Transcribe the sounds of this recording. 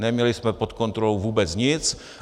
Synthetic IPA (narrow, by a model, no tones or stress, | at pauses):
nɛmɲɛlɪsmɛpo̞t̪ko̞nt̪ɾolowvuːbɛt͡sɲɪt͡s